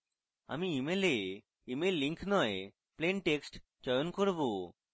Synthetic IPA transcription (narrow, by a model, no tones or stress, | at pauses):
a̰miimele | imelːiŋkʰnɔe | plenʈeksʈ | d͡ʑɔjonkoɾbo